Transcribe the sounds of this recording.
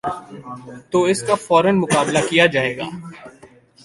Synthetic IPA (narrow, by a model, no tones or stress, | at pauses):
t̪oːɪskafɔːɾənmʊkaːblakijad͡ʒaːeːɡa̰ː